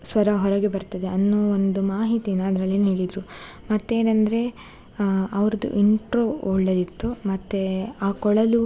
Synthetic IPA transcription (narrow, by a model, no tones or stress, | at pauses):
sʋɐɾɐɦɔɾɐɡebɐɾt̪ɐd̪e̞ɐnːoːond̪umaːɦit̪inːɐːd̪ɾɐlːienɦeːɭid̪ɾu | mɐt̪ːe̞ːnɐnd̪ɐɾe̞ | ɐʋɐɾɐd̪ṵʔiɳʈɾoɔɭːɐd̪it̪ːumɐt̪ːeaːkɔɭɐlu